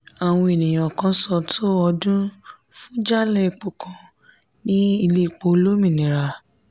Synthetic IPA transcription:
a˨w̃ɔ̃˧e˨nĩ˨j̃ã˨kã˧sɔ˧tʰo˦ɔ˧dũ˦ | fũ˦d͡ʒa˦lɛ˦˧˨k͡po˨kʰã˨˧ | nĩ˦i˧le˦˨k͡po˧˦lo˦mĩ˦˨nĩ˨ɾa˨

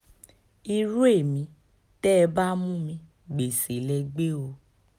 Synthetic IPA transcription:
i˧ɾũ˦e˦˨mĩ˨˧˦ | tɛ˦˧ba˦mũ˦mĩ˧ | ɡ͡be˨se˨lɛ˧ɡ͡be˦o˧

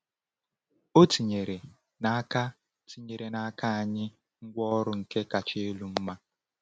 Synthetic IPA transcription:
o˦ti˨ɲe˨ɾe˨ | na˨a˦ka˦ | ti˨ɲe˨ɾe˨na˨a˦ka˦a˨ɲɪ˦ | ŋ̩˦ɡʷɔ˦ɾʊ˨ŋ̩˨ke˦ka˨t͡ʃɪ˦e˦lu˦m̩˦ma˦

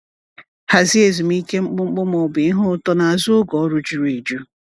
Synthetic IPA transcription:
ha˨zi˦e˨zi˨m̩˦i˦ke˦ŋ͡m̩˦k͡pʊ˦ŋ͡m̩˦k͡pʊ˦mɔ˨bɪ˨˦ɦʊ˦ʊ˦tɔ˦na˨a˨zʊ˦ʊ˦ɡɔ˨˦ɾʊ˦d͡ʒi˨ɾi˨d͡ʒu˦

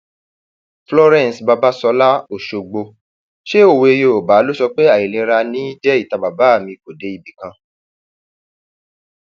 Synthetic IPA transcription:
flɔ˧ɾɛ̃˨n˨sba˧ba˦sɔ˧la˦o˨ʃo˨ɡ͡bo˧ | ʃe˦o˦˨we˧e˧jo˨ba˨˦lo˦sɔ˧k͡pe˦a˦˨i˨lĩ˧ɾa˧nĩ˨˦d͡ʒɛ˦i˦˨ta˨ba˨ba˨˦a˦˨mĩ˧ko˨de˨˦i˦˨bi˨kã˧

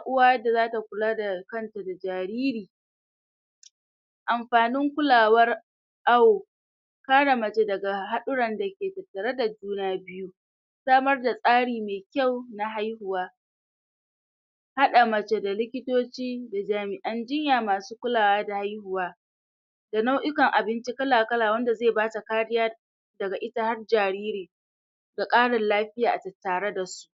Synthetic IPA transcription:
a˦ʔʊ˦waː˦jda˨zaː˦ta˨kʷʊ˨laː˦da˨kɐ˦˨nta˨da˨d͡ʒaː˨ɾiː˦ɾiː˨ | ʔa˨mɸaː˨nɪ˦ŋkʷʊ˦laː˨wɐ˦r | ʔa˦woː˨ | kaː˦ɽa˨mɐ˨t͡ʃe˦dɐ˨ɡa˨ɦa˦ɗʊ˦ɽɐ˨nda˨kʲeː˨tɐ˨tːɐ˨ɾa˦da˨d͡ʒuː˦naː˦bɪ˦ju˦ | saː˦mɐ˦rda˨sʼaː˦ɽiː˨meː˨kʲa˦˨wna˨ɦa˦jɦʊ˨waː˦ | ha˦ɗa˨mɐ˨t͡ʃe˦da˨lɪ˦kʲɪ˦toː˦t͡ʃiː˦da˨d͡ʒaː˨mɪ˨ʔɐ˦nd͡ʒɪ˦ɲjaː˨maː˨suː˦kʷʊ˦laː˨waː˦da˨ha˦jhʊ˨waː˦ | da˨na˦wʔɪ˦kɐ˨ŋʔa˨bɪ˦nt͡ʃi˦kɐ˦laː˨kɐ˦laː˨wɐ˦nda˨zeː˦˨baː˦ta˨kaː˦ɽɪ˦jaː˦ | dɐ˨ɡa˨ʔɪ˦ta˦ha˦rd͡ʒaː˨ɽiː˦ɾiː˨ | da˨kʼaː˦ɽɐ˨nlaː˦ɸɪ˦jaː˨ʔa˨tɐ˨tːaː˨ɽe˦da˨su̥˦ʔ

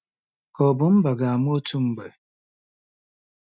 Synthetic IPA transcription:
kɔ˨bu˦m̩˦ba˨ɡa˨a˨mu˦o˦tu˦m̩˦bə˨

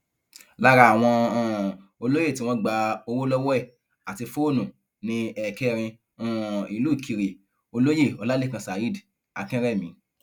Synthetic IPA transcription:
la˦ɾa˧a˨w̃ɔ̃˧˦˨ | o˧lo˦je˦˨tĩ˨˦w̃ɔ̃˦ɡ͡ba˧o˧ɾo˦lɔ˦wɔ˦ɛ˦˨ | a˨ti˧fo˦˨nũ˨ | nĩ˧ɛ˧˨kɛ˦˧ɾ̃ĩ˧˦˨ | i˨luː˨˦i˨kʰi˧ɾi˨ | o˧lo˦je˦˨ɔ˨˧la˦le˦˨kã˧sa˨i˦˨d | a˨kĩ˦ɾɛ˦˨mĩ˨˦

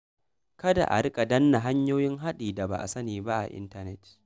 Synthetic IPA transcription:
kɐ˦da̰˨ʔa̰˨ɽɪ˦kʼa˨dɐ˦nːa˨ɦa˦ɲjoː˦jɪ˦ŋɦa˦ɗiː˨da˨ba̰˨ʔa̰˨sɐ˦niː˨ba˦ʔa̰˨ʔɪ̰˦ntɐ˦nɛ˦t

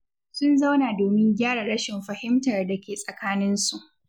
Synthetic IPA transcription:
sʊ˦nza˦wnaː˨doː˨mɪ˦ŋɡʲaː˦ɽa˨ɽɐ˦ʃɪ˨mɸɐ˨hɪ˦mtɐ˨rdɐ˨kʲeː˨sʼɐ˨kaː˦nɪ˦nsu˨ʔ

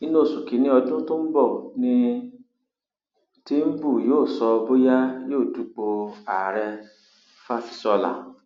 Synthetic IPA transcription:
i˦nũ˦˨su˨ki˨˦nĩ˧ɔ˧dũ˦to˦m̩˦bɔ˦˨nĩ˧ | ti˦m̩˦bu˦˨joː˦˨sɔ˧bo˦ja˦joː˦˨tu˨˦k͡po˧a˨ɾɛ˧ | fa˦fi̥˧sɔ˧la̰˨

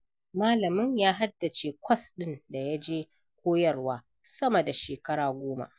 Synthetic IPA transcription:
maː˦lɐ˨mɪ˦ɲjaː˦ɦa˦dːa˨t͡ʃeː˦kʷɐ˦sɗɪ˦nda˨ja˦d͡ʒeː˦ | kʷoː˦jɐ˦˨rwaː˦ | sɐ˦mɐ˨da˨ʃeː˨kɐ˦ɽaː˨ɡʷoː˦ma̰˨ʔ

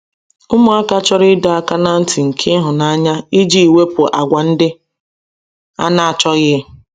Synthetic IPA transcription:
ʊ˦mʊ˦a˦ka˦t͡ʃɔ˦ɾɪ˦da˨a˦˨ka˦na˦n̩˦ti˨ŋ̩˨kʰe˦ɦʊ˨na˨a˦ɲa˦i˦d͡ʒi˦i˨we˦pʊ˨ʔa˨ɡʷa˨n̩˦dɪ˦ | a̰˦na˨a˨t͡ʃɔ˦ɣɪ˦

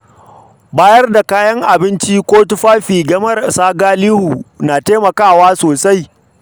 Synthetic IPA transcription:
baː˦jɐ˦rda˨kaː˦jɐ˦ŋʔa˨bɪ˦nt͡ʃiː˦kʷoː˦tʊ˦ɸaː˦ɸiː˨ɡɐ˦mɐ˦rsaː˦ɡaː˦liː˦hu˨naː˨teː˦mɐ˨kaː˦˨waː˦soː˨sa˦j

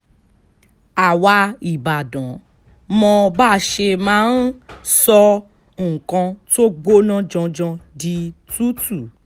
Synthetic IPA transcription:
a˨wa˧i˨ba˨dɔ̃˨˦ | mɔ̃˧baː˦˨ʃe˧mãː˦nsɔ̃˧˨ | kã˧to˦ɡ͡bo˦nã˦d͡ʒɔ̃˧d͡ʒɔ̃˧di˧tu˦tu˨

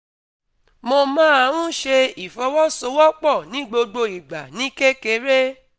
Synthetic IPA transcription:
mo˧mãː˦a˧ɾũ˦ʃe˧i˨fɔ˧˦wɔ˦so˧˦wɔ˦k͡pɔ˦˨nĩ˨˦ɡ͡bo˧ɡ͡bo˧i˨ɡ͡ba˨nĩ˨˦ke˦ke˧ɾe˦

